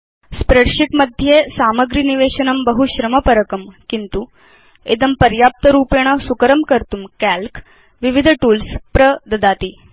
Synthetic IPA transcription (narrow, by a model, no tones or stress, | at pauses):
spɾeɽʂiʈmɐd̪ʱjesaːmɐɡɾiniʋeːɕɐnɐmbɐɦuɕɾɐmɐpɐɾɐkɐmkint̪u | ed̪ɐmpɐɾjaːp̚t̪ɐɾuːpeːɽ̃ɐsukəɾɐmkɐɾt̪umkælk | ʋiʋid̪ʱʈuːlspɾɐd̪ɐd̪aːt̪iː